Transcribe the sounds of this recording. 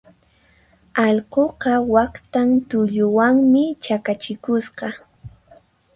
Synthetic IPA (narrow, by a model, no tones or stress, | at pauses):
ɑʎqoqɑwakt̪ant̪ʊʎʊwaŋmɪt͡ʃakat͡ʃɪkʊsqɑ